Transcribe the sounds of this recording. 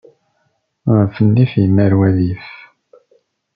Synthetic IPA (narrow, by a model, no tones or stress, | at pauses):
ʁəfənːifjəmːæɾwæðif